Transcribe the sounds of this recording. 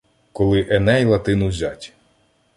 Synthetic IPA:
kɔlˠɪʔɛnɛjlˠɐt̪ɪnʊzʲatʲ

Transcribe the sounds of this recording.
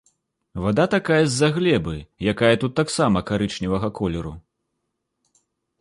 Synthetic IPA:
vad̪at̪akajɐzʲːaɣlʲɛbɨjakajɐt̪ut̪ːaksamɐkaɾɨt͡ʂnʲivɐɣɐkɔlʲɛɾu

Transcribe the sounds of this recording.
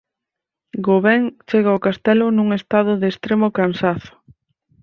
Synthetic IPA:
ɡoβɛŋt͡ʃeɣaʊkast̪ɛlʊnuŋest̪aðʊðeːst̪ɾemʊkansaθʊ̥

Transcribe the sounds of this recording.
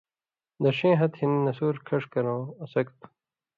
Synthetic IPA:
d̪ɐɕẽːɦɐt̪hinːɐsuːɾkʰɐʂkɐɾõːɐsɐkt̪

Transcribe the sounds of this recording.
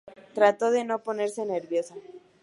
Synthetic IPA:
t̪ɾat̪o̞ðe̞no̞po̞ne̞ɾse̞ne̞ɾβjo̞sa

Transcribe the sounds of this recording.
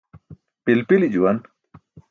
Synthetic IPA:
pilpilid͡ʒuan

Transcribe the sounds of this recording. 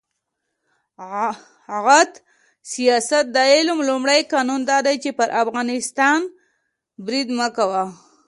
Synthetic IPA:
ɣat̪ | sijɑsat̪̚d̪ɑjelʊmlumɽajkɑnund̪ɑd̪ajt͡ʃepəɾʔafɣɑnɪst̪ɑn | bɾid̪məkawa

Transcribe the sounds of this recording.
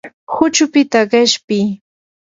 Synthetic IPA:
hʊt͡ʃʊpɪt̪aɢɪʃpɪj

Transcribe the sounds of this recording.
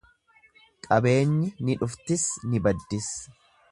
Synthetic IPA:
kʼɐbe̞ːɲːɪnɪᶑʊft̪ɪsnɪbɐd̪ːɪs

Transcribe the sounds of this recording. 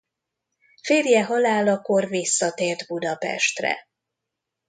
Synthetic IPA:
feːrjɛɦɒlaːlɒko̞rvisːɒt̪eːrd̪bud̪ɒpɛ̰ʃt̪rɛ̰

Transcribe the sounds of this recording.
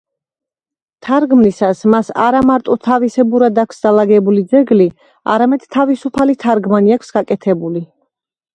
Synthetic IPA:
t̪ʰaɾɡmnisasmasa̰ɾamaɾt̪ʼɔt̪ʰavisɛbuɾad̪akʷʰsd̪alˠaɡɛbulid̪zɛɡli | a̰ɾamɛd̪̥t̪ʰːavisupʰalit̪ʰaɾɡmaniakʷʰsɡakʼɛt̪ʰɛbuli

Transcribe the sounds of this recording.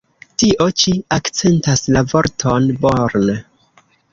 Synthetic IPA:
tiʔo̞t͡ʃiakt͡se̞ntaslavoɾtʰonboɾne

